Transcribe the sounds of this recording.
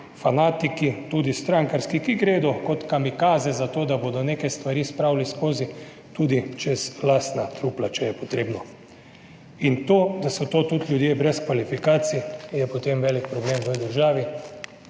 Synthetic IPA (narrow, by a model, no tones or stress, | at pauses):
fanaːt̪ikit̪uːd̪ist̪ɾaŋkaɾskikiɡɾeːd̪ɔkɔt̪kamikaːzɛzat̪oːd̪abod̪ɔneːkɛst̪ʋaɾiːspɾawliskoːzi | t̪ud̪it͡ʃɛzlaːst̪nat̪ɾuːplat͡ʃɛjɛpɔt̪ɾeːbnɔ | int̪oːd̪asɔt̪oːt̪ut̪lʲjud̪jeːbɾɛskʋalifikaːt̪sijɛpɔt̪emʋɛːlik̚pɾɔbleːmʋəd̪əɾʒaːʋi